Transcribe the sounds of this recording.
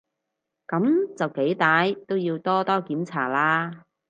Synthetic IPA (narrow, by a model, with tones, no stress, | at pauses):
kɐ˨˥mt͡sɐ˨wke˨˥jt̪aː˨˩jt̪o˥wjiː˧wt̪ɔː˥t̪ɔː˥kiː˨˥mt͡sʰa̰ː˨˩laː˥